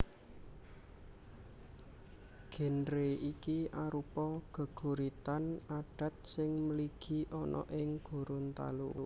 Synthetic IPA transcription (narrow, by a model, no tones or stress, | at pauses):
ɡ̥e̤nɾeikiʔaɾupɔɡ̥ə̤ɡ̥ṳɾit̪anaɖ̥a̤t̪̚sɪŋmliɡ̥i̤ʔɔnʔɔ̰ʔɪŋɡ̥o̤ɾʊnt̪a̰lṵ